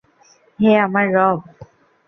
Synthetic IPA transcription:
ɦeamaɾːɔb̚

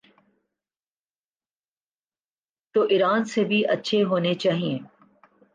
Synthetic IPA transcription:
t̪oːʔɪɾaːnsebʱiʔɐtːʃʰeɦoːnet͡ʃaːɦiẽː

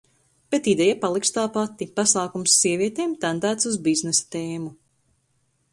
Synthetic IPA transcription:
b̥et̪id̪ɛjapalˠikst̪aːpat̪ːipasaːkumsːiɛviɛt̪eːmt̪and̪æːt̪suzbiznesḁt̪eːmu

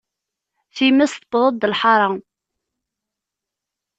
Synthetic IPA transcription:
θimæst̪bðˤəd̪ːəlħɑɾˤɑ

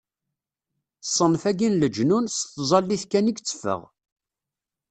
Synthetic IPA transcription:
sˤːənfæɡinləd͡ʒnunsθzˤɑlːiθkæniɡt͡sːə̥fə̰ʁ

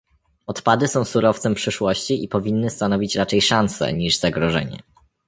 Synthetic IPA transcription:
ɔt̪pad̪ɘsɔ̃w̃suɾɔft̪sɛmpʂɘʂwɔɕt͡ɕiʔipɔvʲinːɘst̪anɔvʲit͡ɕɾat͡ʂɛjʂansɛ̰ɲiʐz̥aɡɾɔʐɛ̰ɲɛ̰

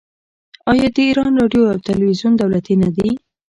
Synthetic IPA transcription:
ɑjɑd̪əiɾɑnɾɑɖjoawt̪alwizjund̪awlat̪inad̪i

